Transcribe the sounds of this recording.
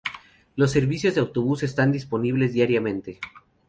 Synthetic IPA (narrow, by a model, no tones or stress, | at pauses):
lo̞s̬ːe̞ɾβisjo̞zðeawt̪o̞βuse̞s̬t̪and̪ispo̞niβlezðjaɾjamẽ̞nt̪e̞